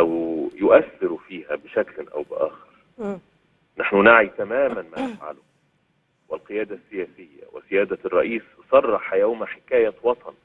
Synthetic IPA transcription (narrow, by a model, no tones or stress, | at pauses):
ʔæwjʊʔæθːɪɾfiːhæbɪʃæklʔæ̰wbɪʔæːxɪɾ | naħnunaʕit̪æmæːmænmæːnɪfʕa̰lʊ | wɪlqɨjæːd̪æsːɪjæːsɪjːæ̰wɪ̰sɪjæːd̪ærˤːɑ̰ʔiːs | sˤɑrˤːɑħɑjawmaħɪ̥kæːjæwɑt̪ˤɑn